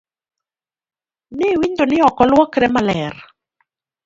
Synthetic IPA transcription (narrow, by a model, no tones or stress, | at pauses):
nɪwiɲdonɪɔkɔlwɔkɾɛmalɛr